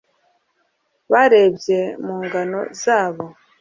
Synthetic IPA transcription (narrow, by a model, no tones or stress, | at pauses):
βaɾe̞bɟje̞muːŋɡano̞̰zaːβo̞